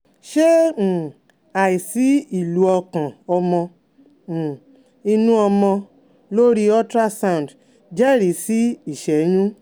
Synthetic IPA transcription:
ʃẽ˦˨ | a˨i˨si˨˦i˨lu˨˦ɔ˧kã˨ɔ˧mɔ̃˧˨ | i˧nũ˦ɔ˧mɔ̃˧ | lo˦ɾi˧ɔ˦tɾa˦sa˦ũ˨n˨d | d͡ʒɛ˦˨ɾi˨˦si˦i˦˨ʃɛ˨˦ɲũ˦

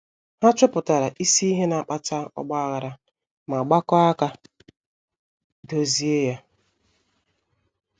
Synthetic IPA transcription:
ha˦t͡ʃɔ˦pʊ˨ta˨ɾa˨ʔi˦si˦i˦ɦe˦na˨a˨k͡pa˦t͡ʃa˦ɔ̰˦ɡ͡ba˦a˦ɣa˨ɾa˨ | ma˨ɡ͡ba˦kɔ˦a˦ka˦ | do˨zi˦e˦ja˦

